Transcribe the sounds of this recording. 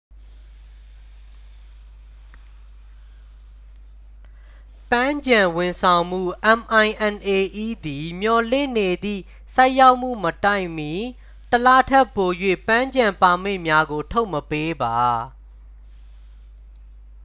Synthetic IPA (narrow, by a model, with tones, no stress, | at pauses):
pã˦ɲd͡ʑã˨wɪ̃˨sʰã˨ʊ̃m̥ṵ˦˨ʔɛ̃˨mʔã˨ɪ̃ʔɛ̃˨nʔe˨ʔi˦˨d̪i˨mjɔ˨lɪ̰̃˦˨ne˨d̪ḭ˦˨ | sa˦ɪʔja˦ʊʔm̥ṵ˦˨mə˨ta˦˨ɪ̃mji˨ | təla˦tʰɛ˦˨pːo˨jwḛ˦˨pã˦ɲd͡ʑã˨mpa˨m̥eɪ̰̃˦˨mja˦ɡo˨tʰo˦ʊʔməpe˦ba˨